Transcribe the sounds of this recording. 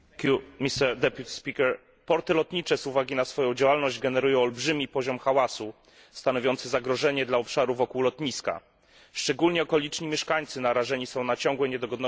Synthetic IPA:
kʲumʲist̪ɛɾd̪ɛpʲjut̪ʲi̥spʲikɛɾ | pɔɾt̪ɘlɔt̪ɲit͡ʂɛzuvaɡʲinasfɔjɔ̃w̃d͡ʑawalnɔʑd͡ʑɡɛnɛɾujɔ̃w̃ɔlbʐɘmʲipɔʑɔmxawasu | st̪anɔvʲjɔnt̪sɛzaɡɾɔʐɛɲɛd̪laɔpʂaɾuvɔkuwlɔt̪ɲiska̰ | ʂt͡ʂɛɡulɲɛɔkɔlʲit͡ʂɲimʲjɛʂkaɲt̪sɘnaɾaʐɛɲisɔ̃w̃nat͡ɕɔ̃ŋɡwɛɲɛd̪ɔɡɔd̪nɔ

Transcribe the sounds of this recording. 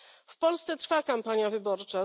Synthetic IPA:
fpɔlst̪sɛt̪ɾfakampaɲjavɘbɔɾt͡ʂa

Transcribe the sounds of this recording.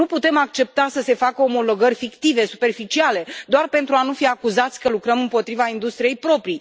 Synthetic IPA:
nuput̪e̞makt͡ʃe̞p̚t̪asəse̞fakəomo̞lo̞ɡərʲfikt̪ive̞supe̞rfit͡ʃiale̞d̪oarpe̞nt̪ɾuanufiakuzat̪sʲkəlukɾəmɨmpo̞t̪ɾivaind̪ust̪ɾije̞jpɾo̞pɾi

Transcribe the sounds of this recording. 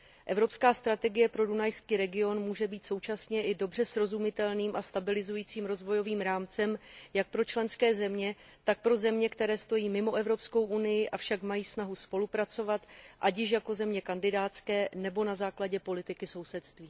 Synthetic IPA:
ʔɛvɾo̞pskaːst̪ɾat̪ɛɡɪjɛpɾo̞dunajskiːɾɛɡɪo̞nmuːʒɛbiːt̪so̞wt͡ʃasɲɛʔɪdo̞br̝ɛsɾo̞zumɪt̪ɛlniːmʔast̪abɪlɪzujiːt͡siːmɾo̞zvo̞jo̞viːmɾaːmt͡sɛmjak̚pɾo̞t͡ʃlɛnskɛːzɛmɲɛ | t̪ak̚pɾo̞zɛmɲɛkt̪ɛɾɛːst̪o̞jiːmɪmo̞ʔɛvɾo̞psko̞wʔunɪjɪʔafʃakmajiːsnaɦuspo̞lupɾat͡so̞vat̪ʔacjɪʃ̬jako̞zɛmɲɛkandɪdaːt̪skɛːnɛbo̞nazaːklaɟɛpo̞lɪt̪ɪkɪso̞wsɛt̪st̪viː

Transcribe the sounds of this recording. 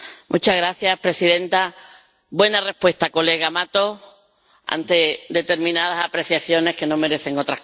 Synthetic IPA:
mʔut͡ʃaɣɾaθjapɾe̞siðẽ̞nt̪a | bwe̞nare̞hpwe̞st̪ako̞le̞ɣ̞amat̪o̞ | a̰nt̪e̞d̪e̞t̪e̞ɾmĩnaðasapɾe̞θjaθjo̞ne̞hke̞nõ̞me̞ɾe̞θe̞ŋo̞t̪ɾa

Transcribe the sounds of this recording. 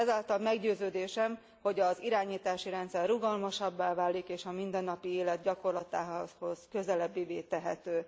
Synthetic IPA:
ɛzaːlt̪ɒlmɛɡɟøːzøːd̪eːʃɛm | ho̞ɟɒziɾaːɲiːt̪aːʃiɾɛnt̪sɛrːuɡɒlmoʃɒbːaːvaːlːikeːʃɒmind̪ɛnːɒpieːlɛd̪̚ɟɒko̞rlɒt̪aːɦho̞z̥kø̞zɛlɛbːiveːt̪ɛɦɛ̰t̪øː

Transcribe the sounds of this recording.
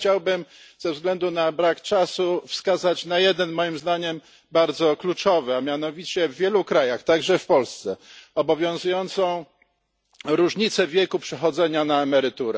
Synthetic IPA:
t͡ɕawbɘmz̥ɛvzɡlɛnd̪unabɾakt͡ʂasufskazat͡ɕnajɛd̪ɛnmɔjimzd̪aɲɛm | baɾd̪zɔklut͡ʂɔvɛamʲjan̪ɔvʲit͡ɕɛvːjɛlukɾajaxt̪aɡʐɛfpɔlst̪sɛɔbɔvʲjɔ̃w̃zujɔnt̪sɔ̃w̃ | ɾuʐɲit̪sɛvʲjɛkupʂɛxɔd̪zɛɲanaɛmɛɾɘt̪uɾɛ

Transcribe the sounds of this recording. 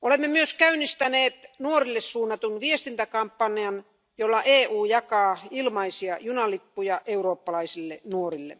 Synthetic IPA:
olemːemyøskæynːist̪æneːt̪nuorilːessuːnːɑt̪unʋiest̪int̪ækɑmpːɑniɑn | jolːɑʔeːʔuːjɑkɑːilmɑisiɑjunɑlipːujɑʔeuroːpːɑlɑisilːenuorilːḛ

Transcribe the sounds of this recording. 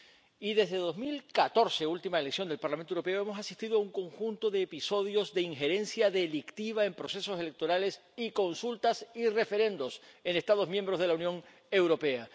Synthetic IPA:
iðe̞zðe̞ðo̞zmilkat̪o̞ɾse̞ult̪imaeleksjo̞nd̪elpaɾlamẽnt̪owɾope̞oemo̞sasist̪iðoauŋko̞ŋxunt̪o̞ðe̞ːpiso̞ðjo̞zðe̞iŋxe̞ɾẽ̞nsjaðe̞likt̪iβaempɾo̞se̞so̞sele̞k̚t̪o̞ɾale̞s | iko̞nsult̪asire̞fe̞ɾẽ̞nd̪o̞senest̪aðo̞zmjembɾo̞zð̞e̞launjõ̞ŋ | e̞wɾo̞pe̞a

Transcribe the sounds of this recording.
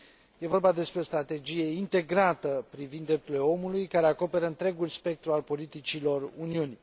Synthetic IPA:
je̞vo̞rbad̪e̞spɾeo̞st̪ɾat̪e̞d͡ʒije̞int̪e̞ɡɾat̪əpɾivind̪ːɾe̞p̚t̪uɾleo̞mulujkaɾe̞ako̞pe̞ɾəɨnt̪ɾe̞ɡulspe̞k̚t̪ɾualpo̞lit̪it͡ʃilo̞runiuni

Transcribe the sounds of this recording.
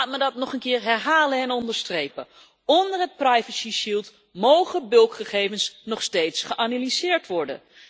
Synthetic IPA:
laːtmədɑtnɔχənkɪːɹɦɛɹɦaːlənɛnɔndəɹstrejpə | ɔndəɹɦət̚prajvəsiʃilˠt | mowχəbɵlˠkχəχejvənsnɔχstejtsχəʔanalizɪːɹtʋɔɹdə̰n

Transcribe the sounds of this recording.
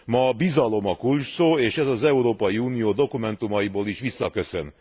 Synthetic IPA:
mɒbizɒlo̞mɒkulʃsoːeːʃɛzɒzɛuɾoːpɒjiuːnijoːd̪o̞kumɛnt̪umɒjiboːliʃʋisːɒkø̞sø̰n

